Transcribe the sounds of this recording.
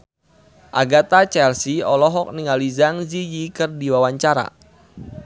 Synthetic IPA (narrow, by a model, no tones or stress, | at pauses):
ʔaɡat̪at͡ʃɛlsiɔlɔɦɔk̚niŋalizaŋzijikɨrdiwawaɲt͡ʃaɾa̰